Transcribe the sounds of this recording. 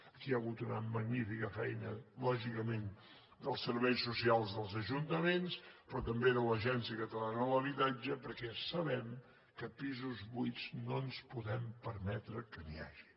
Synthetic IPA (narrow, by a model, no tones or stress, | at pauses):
əkiaɣut̪unəməɡnifikəfɛjnəlɔʒikəmen | d̪əlˠsəɾβɛjsusialˠzðəlˠzəʒunt̪əmenspɾɔt̪əmbeðələʒɛnsiəkət̪əlanələβit̪ad͡ʒəpəɾkɛsəβɛm | kəpizuzβujznonspuðɛmpəɾmɛt̪ɾəkənḭa̰ʒi̥